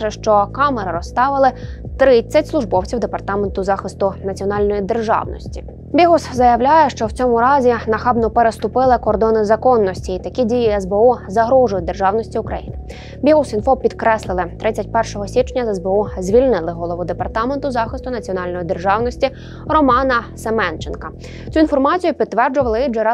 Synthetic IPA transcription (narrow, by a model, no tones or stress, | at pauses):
ʒɛʃt͡ʃɔkɑmeɾɪɾɔst̪ɑʋɪlˠɪt̪ɾɪt͡sʲːɐtʲslˠʊʒbɔwt͡sʲiwd̪epɐrt̪ɑment̪ʊzɑxɪst̪ʊnɐt͡sʲiɔnɑlʲnɔjid̪erʒɑ̰wnɔ̰sʲtʲi̥ | bʲiɦuszɐjɐwlʲajɛʃt͡ʃɔwt͡sʲɔmʊɾɑzʲinɐxɑbnɔpeɾest̪ʊpɪlˠɪkɔrd̪ɔnɪzɐkɔnːɔsʲtʲiːt̪ɐkʲidʲijiɛzbeuzɐɦɾɔʒʊjʊd̪e̞rʒɑwnɔsʲtʲiʊkɾɐ̰jinɪ | bʲiɦusinfɔpʲid̪kɾɛslˠɪlˠɪt̪ɾɪt͡sʲɐt̚ʲpɛrʃɔɦɔsʲit͡ʃnʲɐzɛzbeuzʲʋʲilʲnɪlˠɪɦɔlˠɔʋʊd̪epɐrt̪ɑment̪ʊzɑxɪst̪ʊnɐt͡sʲiɔnɑlʲnɔjid̪erʒɑwnɔsʲtʲi | rɔmɑnɐsemɛnt͡ʃenkɐ | t͡sʲuinfɔrmɑt͡sʲijʊpʲid̪t̪ːʋɛrd͡ʒʊʋɐlˠɪid͡ʒɛɾɑ